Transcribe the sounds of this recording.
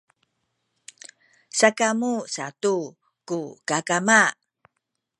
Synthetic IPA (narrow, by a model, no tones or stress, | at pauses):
sakamusatu | kukakama